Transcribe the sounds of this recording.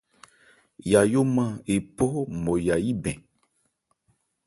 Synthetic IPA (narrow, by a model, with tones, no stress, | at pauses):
ja˨jo˦mã˦e˨pɔ˦mɔ̃˨ja˨ji˦bɛ̃˨